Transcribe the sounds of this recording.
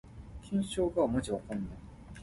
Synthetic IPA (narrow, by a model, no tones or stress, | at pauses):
kʲʰĩɰ̃ɕoːɡamot͡ɕiβakõnd̪a